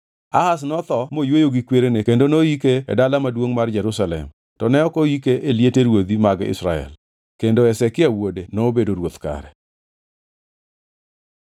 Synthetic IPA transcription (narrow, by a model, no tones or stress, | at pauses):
ahas̬nɔt̪ɔmojwojoɡikweɾenekendonoikḛːdalamadwoŋmard͡ʒɛɾʊsalɛ̰m | tɔnɛɔkoikeʔeljeteɾwod̪imaɡɪ̰sɾa̰ɛ̰l | kendoɛsɛkɪawodenoːbedoɾwot̪ka̰ɾɛ